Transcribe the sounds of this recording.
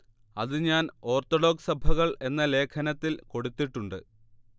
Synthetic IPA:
ɐ̰ðɨɲaːno̞ːrt̪oɽo̞ːɡsɐbʱɐɣɐɭe̞nːɐle̞ːkʰɐnɐt̪ːilko̞ɽut̪ːiʈːuɳɖɨ

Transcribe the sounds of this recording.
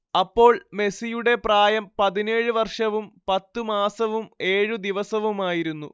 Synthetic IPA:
ɐpːo̞ːɭme̞sijuɽe̞praːjɐmpɐðine̞ːɻɨʋɐrʂɐʋumpɐt̪ːumaːsɐʋume̞ːɻud̪iʋɐsɐʋumaːjiɾunːu

